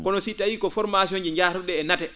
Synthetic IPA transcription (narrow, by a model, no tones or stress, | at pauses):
kɔnɔsitawiːkɔfɔɾmasiɔnd͡ʒɛɲd͡ʒaːɾuɗɛːnatɛ